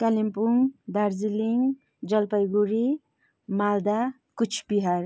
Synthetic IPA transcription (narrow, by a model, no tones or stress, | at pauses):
kalimpuŋd̪aɾd͡ziliŋ | d͡ʒʌlpʌjɡuɾi | mald̪a | kut͡ʃʰpiɦaɾ